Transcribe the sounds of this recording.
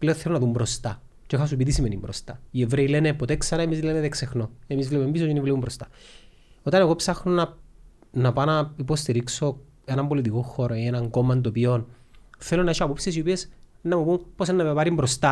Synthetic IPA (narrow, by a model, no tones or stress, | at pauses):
ple̞oθelonɐðumbɾo̞st̪ɐ | t͡ʃeexɐs̬upit̪isimenimbɾost̪ɐievɾeile̞nepot̪eksɐɾɐemizlemeðeksexno̞emizvleumembisot̪inivleumbɾost̪ɐ̥ | o̞t̪ɐneɣo̞psɐxnonɐ | nɐpɐnɐipo̞st̪iɾikso̞ | e̞nɐmbo̞lit̪iko̞xo̞ɾoienɐŋɡo̞mːɐnd̪opio̞nθe̞lo̞nɐeʃoɐpopsiesio̞piesnɐmupumposenːɐmepɐɾimbɾo̞st̪ɐ